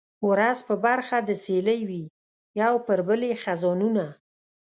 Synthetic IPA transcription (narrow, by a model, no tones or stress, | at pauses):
wɾazpəbaɾxad̪əseləjwi | jawpəɾbəlexazɔnuna